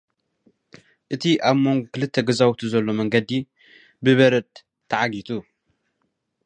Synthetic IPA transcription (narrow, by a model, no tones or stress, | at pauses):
ʔɨt̪ʰiʔaβmo̞ŋɡokʰɨlɨt̪ʰːɐɡɐzawt̪ʰuzɐlːo̞mɐŋɡɐd̪i | bɨβɐɾɐt̪ʰː | ɐʕaɡit̪ʰu